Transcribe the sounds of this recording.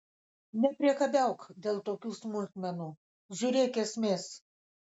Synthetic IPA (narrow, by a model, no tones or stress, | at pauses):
nʲɛpʲɾʲiɛkɐbʲɛˑʊkd̪ʲeːlˠt̪oːkʲuːsmʊlʲt̪ʲmʲɛnuː | ʒʲuɾʲeːkʲɛsʲmʲeːs